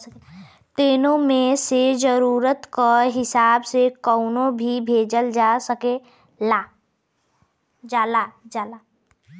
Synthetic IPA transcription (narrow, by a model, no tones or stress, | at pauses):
t̪eːnõmẽsed͡ʒəɾuːɾət̪kaɦɪsaːbsekɔʊnõbʱibʱeːd͡ʒəld͡ʒasəke | laː | d͡ʒaːlad͡ʒaːla